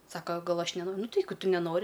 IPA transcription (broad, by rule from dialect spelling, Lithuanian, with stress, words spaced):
ˈsɑːkɐ ˈɡɐlˠ ˈɐʃ nʲɛnoː ˈnʊ tʲɪ ˈjɛɪɡʊ ˈtʊ nʲɛˈnoːrʲɪ